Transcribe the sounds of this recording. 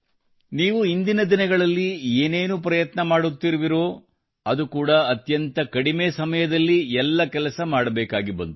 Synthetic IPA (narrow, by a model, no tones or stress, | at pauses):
niːʋuind̪inɐd̪inɐɡɐɭɐlːieːneːnupɾɐjɐt̪nɐmaːɽut̪ːiɾuʋiɾo̞ː | ɐd̪ukuːɽɐːt̪jɐnt̪ɐkɐɽimeːsɐmɐjɐd̪ɐlːiɛlːɐkɛlɐsɐmaːɽɐbɛːkaːɡibɐ̰nd̪u